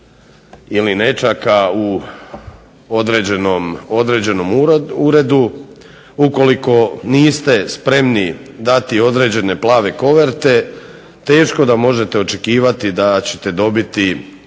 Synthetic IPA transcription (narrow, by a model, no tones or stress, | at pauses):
iline̞t͡ʃakau | od̪ɾeenomo̞d̪ɾe̞d͡ʑe̞no̞muɾe̞d̪u | uko̞liko̞niːst̪e̞spɾe̞mnid̪at̪io̞d̪ɾe̞ːd͡ʑe̞ne̞plˠaːʋe̞ko̞ʋe̞ɾt̪e̞ | t̪e̞ːʃko̞d̪amo̞ʒe̞t̪eo̞t͡ʃe̞kiːʋat̪id̪at͡ɕe̥t̪e̞d̪o̞bit̪i